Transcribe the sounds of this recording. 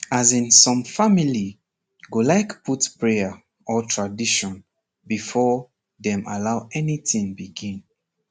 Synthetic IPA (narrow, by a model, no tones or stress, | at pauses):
azĩnsɔ̃mfamili | ɡolaɪkputpɹɛa | ɔtʰɹadiʃɔ̃n | bifɔ | ðɛ̃malaʊɛniθĩŋbiɡĩn